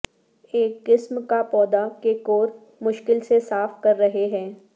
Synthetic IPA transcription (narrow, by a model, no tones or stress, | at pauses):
eːkːɪsmkapɔːd̪akekoːɾ | mʊʃkɪlsesaːfkɐɾːɐɦeɦɛ̃ː